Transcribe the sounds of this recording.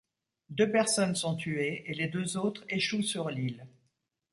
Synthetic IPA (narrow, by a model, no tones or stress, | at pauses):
d̪øpɛʁsɔnsɔ̃t̪ʰyeeled̪øzot̪χeʃusyʁlil